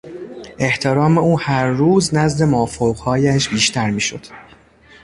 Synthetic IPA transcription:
ʔe̞ht̪ʰeɾɒːme̞uːhæɾːuːznæzd̪e̞mofoɣhɒːjæʃbiːʃt̪ʰæɾmiːʃo̞̰d̪̥

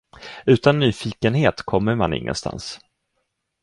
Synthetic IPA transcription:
ʉ̟ːt̪anːyːfiːkənɦeːt̪kʰɔmːəɾmanɪ̰ŋːə̰nst̪a̰ns

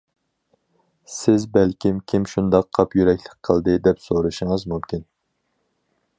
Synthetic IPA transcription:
sɪzbælkʲimkʲʰimʃund̪ɑqʰːɑpjyɾɛkʲlɪ̥k̚ʲqʰəlˠd̪ɨd̪ɛpsoɾɨʃɨŋɨzmumkʲin

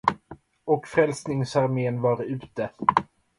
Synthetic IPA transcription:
ɔkfɾɛlsnɪŋsaɾmeːnvɑːɾɪʉ̟ːt̪ə

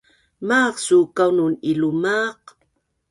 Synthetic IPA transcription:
maqsukawnunilumaq

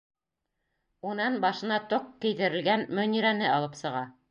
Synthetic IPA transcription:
unɑnbɑʃɤ̆nɑt̪oqkɘ̆jðɘ̆ɾɘ̆lɡænmɵ̆niɾænɘɑlˠɤpsɤ̆ʁɑ

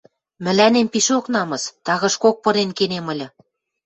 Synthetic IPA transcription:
mɘ̆lænempiʃoknɑmɤ̆st̪ɑɣɤ̆ʃkok̚pɤ̆ɾenkenemɤ̆lʲɤ̆

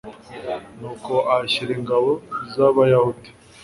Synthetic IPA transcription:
nuːko̞ʔaçiɾeŋɡaβoizaβajahuti̥

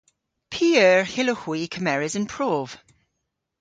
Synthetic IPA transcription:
pʰiːœːɹhɪləhwikʰəmɛɹɪzə̃npʰɹ̥oːv̥

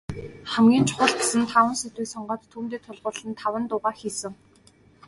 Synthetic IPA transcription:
χæmɡʲiːnt͡ɕʰʊ̥χʊ̆ɬt̪̆sə̆nt̪ʰawə̆nset̪wiːksɔɴɢɔːt̪ʰːuːmt̪eːt̪ʰʊɮʁʊːɮɘ̆nt̪ʰawə̆nt̪ʊʁaːxiːsɘ̆ŋ

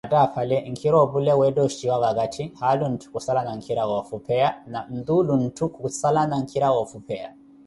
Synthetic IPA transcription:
ataːfalɛŋ̩kʰiɾɔbulɛwɛdɔuʃiwaβakatʰihalun̩tʰu̥kusalanaŋ̩kʰiɾaɣɔfupʰɛanam̩d̪ulun̩tʰukusalanaŋ̩kʰiɾawɔfupʰɛa̰

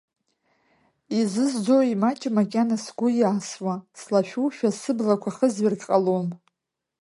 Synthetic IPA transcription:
izɨzd͡zowimat͡ʃʼɪmakʲʼanasɡʷʊjaːswaslaʃᶣuʃᶣasɨblakʷʰaχəzɥɪrkʼqʼalom

